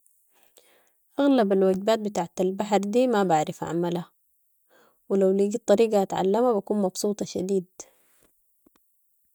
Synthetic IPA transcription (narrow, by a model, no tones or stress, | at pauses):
ʔaɣlabalwaɡbaːt̪̚bɪt̪aʕat̪albaħɾd̪iːmabaʕɾɪfʕa̰mala | wɪlawliːɡit̪ˤːɑɾiːɡɑat̪ʕa̰lːamabakuːnmɑbsˤuːt̪ˤɑʃad̪iːd̪